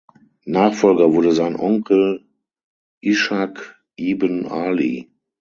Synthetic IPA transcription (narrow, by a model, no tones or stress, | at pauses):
naːχfɔlɡɐvʊɐdəzaɪnʔɔŋkʰl̩ | ʔiʃak | ʔiːbənaːlḭ